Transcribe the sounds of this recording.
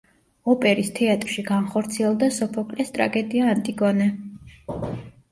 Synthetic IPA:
ɔpʼɛɾist̪ʰɛat̪ʼɾʃiɡanχɔɾt̪sʰiɛlˠd̪asɔpʰɔkʼlɛst̪ʼɾa̰ɡɛd̪iaːnt̪ʼiɡɔnɛ

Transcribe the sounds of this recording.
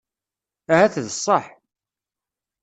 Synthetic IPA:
æhæθðəsˤːəħ

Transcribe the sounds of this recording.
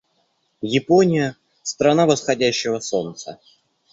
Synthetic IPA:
jɪponʲɪjə | st̪ɾɐnavəsxɐdʲæɕːɪvəso̞nt̪sə

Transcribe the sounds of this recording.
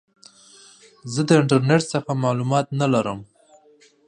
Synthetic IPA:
zəd̪əɪɳʈaɾneʈsəxamɑlumɑt̪nalaɾəm

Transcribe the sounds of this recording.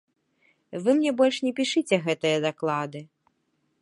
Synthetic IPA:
vɨmnʲɛbɔlʲʂnʲɛpʲiʂɨt͡sʲɛɣɛt̪ɨjɐd̪aklˠad̪ɨ

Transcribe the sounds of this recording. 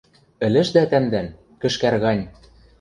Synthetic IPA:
ɘ̆lɘ̆ʃd̪æt̪æmd̪æn | kɘ̆ʃkærɣɑnʲ

